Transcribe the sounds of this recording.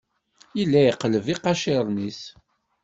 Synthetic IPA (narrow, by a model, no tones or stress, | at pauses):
jilːæjəqːləviqɑʃɪɾˤnis